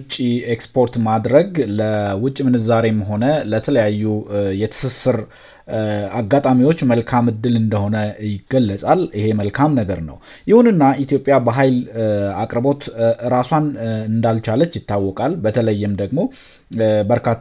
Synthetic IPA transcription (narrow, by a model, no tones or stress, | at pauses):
t͡ʃʼːiekspʰo̞ɾt̪mad̪ɾəɡləwʊt͡ʃʼːimɨnɨzaɾe̞mɦo̞nələt̪ʰələjajːujɛt̪ʰɨ̥sɨsɨɾ | aɡat̪ʼamiwo̞t͡ʃːməlkʰamɨd̪ːɨlɨnd̪əho̞nəjɪɡəlːəsʼalihe̞məlkʰamnəɡəɾnə̰w | jɪhunɨnːaʔit̪ʰjo̞pʼjabəɦajlakʼɾbo̞t̪ɾasanɨnd̪alt͡ʃalət͡ʃːjɪt̪ːawːɔkʼalbət̪ʰələjːɪmd̪əɡmo̞ | bəɾkʰat̪ː